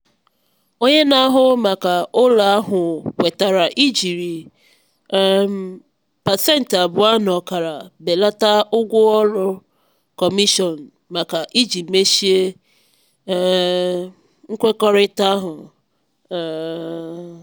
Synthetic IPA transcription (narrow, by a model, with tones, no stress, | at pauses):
o˦ɲe˦na˦ɦʊ˦ma˨ka˨o˦la˨a˦ɦʊ˨kʷe˨ta˨ɾa˨ʔi˦d͡ʒi˨ɾi˨˦ | m˦ | pa˨tɛ˦n̩˨ta˨bʊ˨˦a˦nɔ˨ka˨ɾa˨be˨la˦ta˦ʊ˦ɡʷʊ˦ɔ˦lʊ˦ | kɔ˨mi˦ʃɔ˨n̩˨ | ma˨ka˨ʔi˦d͡ʒi˨pme˦ʃi˦e˦ | ŋ̩˦kʷe˦kɔ˦ɾɪ˦ta˦ɦʊ˨